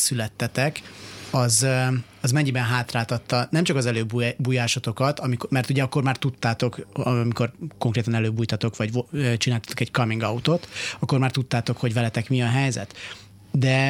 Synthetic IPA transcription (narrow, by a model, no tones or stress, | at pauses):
sylɛt̪ːɛt̪ɛkɒz | ɒzmɛɲːibɛnɦaːt̪raːt̪ɒt̪ːɒnɛmt͡ʃɒkɒzɛløːbbuːjaːʃot̪o̞kɒt̪ɒmikmɛrt̪uɟɛɒkːo̞rmaːrt̪ut̪ːaːt̪o̞kɒmiko̞rko̞ŋkreːt̪ɒnɛløːbuːjt̪ɒt̪o̞kʋɒɟøt͡ʃinaːlt̪ɒ̥t̪o̞kɛɟkɒmiŋɡɒut̪o̞t̪ɒkːormaːrt̪ut̪ːaːt̪o̞kho̞ɟvɛlɛt̪ɛkmiɒɦɛjzɛ̰t̪ | d̪ɛ